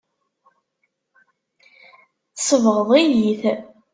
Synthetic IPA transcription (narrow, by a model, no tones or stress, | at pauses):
θsəvəʁəðˤijiθ